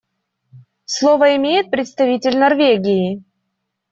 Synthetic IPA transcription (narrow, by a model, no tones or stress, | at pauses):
slˠovəɪmʲejɪt̪̚pɾʲɪt̪st̪ɐvʲitʲɪlʲnɐrvʲeɡʲɪjɪ